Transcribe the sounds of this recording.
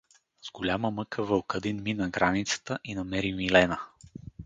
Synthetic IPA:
z̥ɡolʲaməmɤkəvəlkəd̪inminɐɡɾʔanit̪sə̥t̪əʔinɐmɛɾimilɛnə

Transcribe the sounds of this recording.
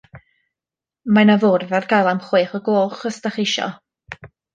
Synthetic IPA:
manavʊrvarɡajlˠamχweːχəɡoːχəstaχɪʃɔ̰

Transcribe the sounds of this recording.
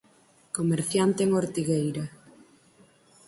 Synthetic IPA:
komeɾθjant̪eːŋoɾt̪iɣejɾɐ

